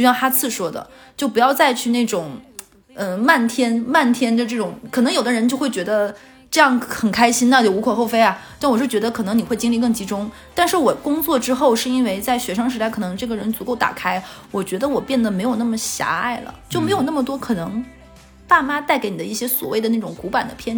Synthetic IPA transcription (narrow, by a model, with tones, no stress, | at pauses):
jɑ˥˩ŋxa˥t͡sʰɹ̩˥˩ʂwɔ˥d̪ə̰˨ | t͡ɕjo˥˩ʊpu˧˥jɑ˥˧ʊt͡sa˥˧ɪt͡ɕʰy˥˧ne˥˩ɪʈ͡ʂʊ˨˩˦ŋ | ə˧ma˥˩nt̪ʰjɛ˥nma˥˩nt̪ʰjɛ˥nd̪ə˧ʈ͡ʂɤ˥˩ʈ͡ʂʊ˨˩˦ŋkʰɤ˨˩n˧˥ŋjo˨˩d̪ə˦ɻə˧˥nt͡ɕjo˥˧ʊxwe˥˩ɪt͡ɕɥɛ˧˥d̪ə˧ | ʈ͡ʂɤ˥˧jɑ˥˩ŋxə˨˩nkʰa˥ɪɕi˥nə˨˧t͡ɕjo˥˩u˧˥kʰɔ˨˩xo˥˩ʊfe˥ɪɐ˩t͡ɕ̪wɔ˨˩˥t͡ɕɥɛ˧˥d̪ə˧kʰɤ˨˩nɤ˧˥ŋni˨˩xwe˥˩ɪt͡ɕi˥ŋli˥˧k̬ɤ˥˩ŋt͡ɕi˧˥ʈ͡ʂʊ˥ŋ | t̪a˥˧nʂɻ̩˥˩wɔ˨˩kʊ˥ŋt͡swɔ˥˧ʈ͡ʂɻ̩˥xo˥˧ʊʂɻ̩˥˧i˥nwe˥˧ɪt͡sa˥˩ɪɕɥɛ˧˥ʂɑ˥ŋʂ̬ɻ̩˧˥t̪a˥˩ɪkʰɤ˨˩˧ŋʈ͡ʂɤ˥˩ɡə˩ɻə˧˥nt͡su˧˥ko˥˩ʊt̪a̰˨˩kʰa˥ɪwɔ˨˩t͡ɕɥɛ˧˥d̪ə˧wɔ˨˩pjɛ˥˩nd̪ə˩me˧˥ɪjo˨˩ʊn˥˩mə˩ɕja̰˧˥a̰˥˩ɪlə̰˩t͡ɕjo˥˩ʊme˧˥jo˨˩ʊna˥˩mə˩t̪wɔ˥kʰɤ˨˩nɤ˧˥ŋ | t̪a˥˩ma˥t̪a˥˩ɪke˧˥ni˨˩d̪ə˦i˥˩ɕjɛ˥swɔ̰˨˩we˥˩ɪd̪ə˩na˥˩ʈ͡ʂʊ˨˩ŋku˧˥pa˨˩nd̪ə̰˦pʰjɛ˥˩n